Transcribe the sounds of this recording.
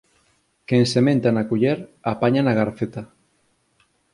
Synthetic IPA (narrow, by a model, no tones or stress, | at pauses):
kensemẽnt̪anakuʎeɾapaɲanaɣaɾfet̪a